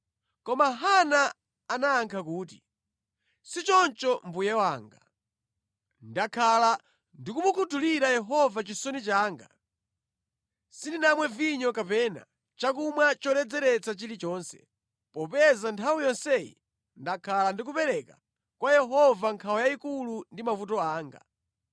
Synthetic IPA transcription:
kɔmaɦana | anaːŋkʰak̬uːt̬i | sit͡ʃɔnt͡ʃɔmbujɛwaːŋɡa | ndakʰala | ndikumukʰutʰuliɾajɛɦɔvat͡ʃisɔnit͡ʃaːŋɡa̰ | sindinamwɛviɲɔkapɛːna̰ | t͡ʃakumwat͡ʃɔɾɛd͡zɛɾɛt͡sat͡ʃilit͡ʃɔːnsɛ̥̰ | pɔpɛzantʰawijɔnsɛjḭ | ndakʰalandik̬upɛɾɛka̰ | kwajɛɦɔvaŋkʰawɔjaikulundimafut̬ɔaːŋɡa̰

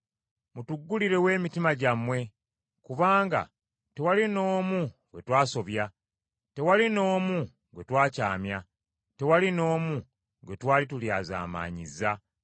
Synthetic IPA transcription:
mutuɡːuliɾe̞we̞ːmitimaɟamwe̞ | kuβaːŋɡa̰ | te̞walino̞ːmuŋɡe̞twaːso̞βja | te̞walino̞ːmu | ŋɡe̞twaːca̰ːmja | te̞walino̞ːmu | ŋɡe̞twaːlituljaːza̰ːma̰ːɲḭzːa

